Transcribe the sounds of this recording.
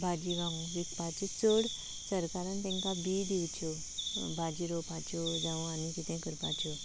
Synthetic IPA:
bʱad͡ʑiʋãŋɡʋikpat͡ɕet͡səɽ | səɾkaɾant̪ɛ̃ŋkabid̪iwt͡ɕɔ | bʱad͡ʑiɾopat͡ɕɔd͡zaʋanikit̪ʰɛ̃kəɾpa̰t͡ɕɔ

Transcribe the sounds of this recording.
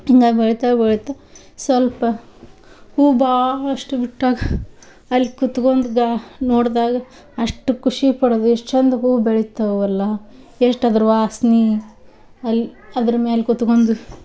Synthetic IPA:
iŋɡaːɡbeɭit̪abeɭit̪ɐ | sʋɐlpɐ | huːbaːɭɐʂʈubiʈːaːɡɐ | ɐlːikut̪kond̪uɡanoːɽd̪aːɡɐ | ɐʂʈukuʂipɐɽod̪ueʂʈt͡ʃend̪ɐɦuːbeɭit̪ːɐʋɐlːɐ | eʂʈɐd̪ɐɾuʋaːsni | ɐlːiɐd̪ɐɾɐmeːlkut̪kond̪u

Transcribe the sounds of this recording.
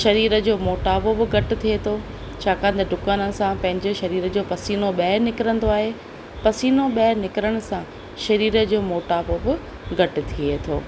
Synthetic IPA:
ʃɐɾiːɾə̆d͡ʑoːmoːʈaːbobɪɡʱɐʈɪ̆t̪ʰiet̪ʰoː | t͡ɕʰaːkãːn̆d̪ɐɖʱʊkaːnə̆sãpɐ̃ɦɪ̃ɲd͡ʑoʃɐɾiːɾə̆d͡ʑoːpɐsiːnoɓɛːnɪkɪɾə̃nd̪oaːɦeː | pɐsiːnoɓɛːnɪkɾəɽ̃ʊ̆sã | ʃɐɾiːɾəd͡ʑoːmoːʈaːbobɪ | ɡʱɐʈʊ̆t̪ʰiet̪ʰo̰ː

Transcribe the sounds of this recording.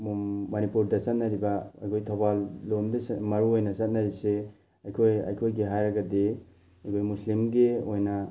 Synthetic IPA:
mɐnipuɾdɐsɐt̚nɐɾibɐɐ̰jkʰojtʰobalːomdɐsmɐɾuojnɐsɐt̚nɐɾise | ɐjkʰojɐ̰jkʰojɡiɦajɾɐɡɐdi | ɐjkʰojmuslimɡeojnɐ

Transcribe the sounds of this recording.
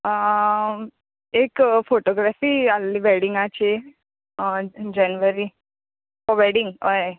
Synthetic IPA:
ekfoʈoɡɾafialːiʋɛɽiŋɡat͡ɕe | d͡ʑɛnʋəɾi | pɔʋɛɖiŋɡɔe

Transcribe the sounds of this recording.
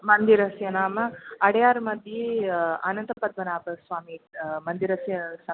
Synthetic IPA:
mɐnd̪iɾɐsjɐnaːmɐɐɽɐjaːɾmɐd̪ʱjeɐ̰nɐnt̪ɐpɐd̪ʋɐnaːpɐsʋaːmimɐnd̪iɾɐsjɐsɐ

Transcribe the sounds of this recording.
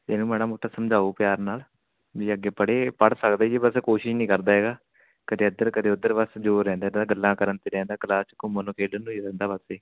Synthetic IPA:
t̪eːnũːmɛːñaːmʊʈʰːaːsəmd͡ʒaːuːpɪjaːɾnaːl | d͡ʒiːəɡːeːpəɽeːpəɽsəkd̪aːieːbəskoːʃɪʃnĩːkəɾd̪aːɦɛːɡaː | kəd̪eːəd̪əɾkəd̪eːʊd̪ːəɾʋəsd͡ʒoːɾɛ̃ːnd̪aːd̪aːɡəlːãːkəɾənt̪iːɾɛ̃ːnd̪aːkəlaːst͡ʃkʊmənõːkeːɖənũːiɾɛ̃ːnd̪aːbəseː

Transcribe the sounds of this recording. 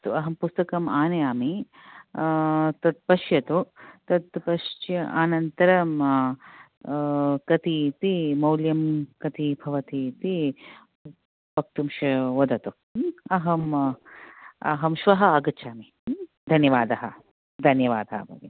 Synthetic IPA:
t̪uɐɦɐmpust̪ɐkɐmaːnɐjaːmi | t̪ɐt̪̚pɐʃjɐt̪ut̪ɐt̪pɐʃt͡ʃjɐʔaːnɐnt̪ɐɾɐm | kɐt̪it̪imɐwljɐmkɐt̪ibʱɐʋɐt̪it̪i | bɐk̚t̪umʃɐʋɐd̪ɐt̪u | ɐɦɐm | ɐ̰ɦɐmʃʋɐɦɐɐɡɐt͡ʃʰaːmi | d̪ʱɐnjɐʋaːd̪ɐɦɐ | d̪ʱɐnjɐʋaːd̪aɦɐ̰bʱɐ̰ʋi

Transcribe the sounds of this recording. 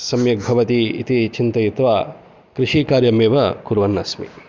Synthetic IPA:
sɐmjɐk̚bʱɐʋɐt̪iḭt̪it͡ʃint̪ɐjit̪ʋaː | kɾiʂiːkaːɾjɐmeːʋɐkuɾʋɐnːɐsmḭ

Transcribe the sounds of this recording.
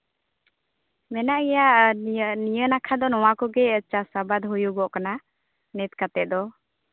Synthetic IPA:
mɛnaʔɛjaʔnijənakʰad̪ɔnɔwakɔɡɛət͡ʃasabad̪ɦujuɡɔʔkana | nɛt̪̚kat̪ɛʔ̚d̪ɔ

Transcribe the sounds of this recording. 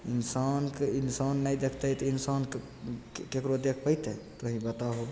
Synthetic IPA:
insankeinsanːajd̪ekʰt̪əjt̪insank | kekɾod̪ekʰpəjt̪ɛt̪oɦĩbət̪aɦob

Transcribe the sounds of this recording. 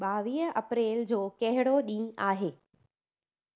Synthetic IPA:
ɓaːʋiːɦə̃ɐpɾeːld͡ʑoːkɐɦɪɽoɗĩːaːɦeː

